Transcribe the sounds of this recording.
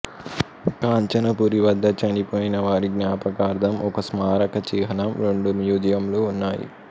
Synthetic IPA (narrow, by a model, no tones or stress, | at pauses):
kaːɲt͡ʃɐnɐpuɾiʋɐd̪ʱːɐt͡ʃɐnipoːjinɐʋaːɾiɡnaːpɐkaːɾd̪ʱɐmʔɔkɐsmaːɾɐkɐt͡ʃiːɦɐnɐmɾeɳɖunjuːd̪jɐmloːunːaːjḭ